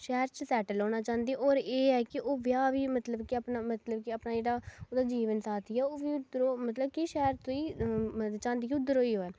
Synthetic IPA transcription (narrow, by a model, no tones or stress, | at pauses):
ʃɛːɾt͡ʃəsɛːʈəlɦoːnaːt͡ʃãːnd̪iːʔoːɾeːɛːkɪʔoːʋɪjaːʋiːmət̪ləbkɪəpnaːmət̪ləbkɪapnaːd͡ʒeːɽaːoːd̪aːd͡ʒiːʋənsaːt̪ʰiːɛːoːʋiːʊd̪əɾoːmət̪ləbkiʃɛːɾt̪oːiː | t͡ʃãːnd̪iːkʊd̪ːəɾoːiːɦoːɛː